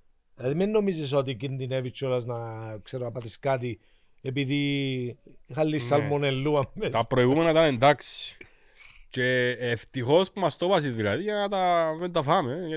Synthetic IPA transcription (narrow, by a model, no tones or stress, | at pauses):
ilɐðimenːomizis̬ot̪icind̪inevit͡ʃːolɐznɐkseɾoɐpɐθiskat̪i | epiði | xɐlːisːɐlmonelːuɐmːest̪pɾoiɣumenɐt̪ɐnend̪aksi̥ | ce̞ːft̪ixo̞spumɐst̪opɐs̬iðilɐðiʝɐnɐt̪ɐvend̪ɐfɐme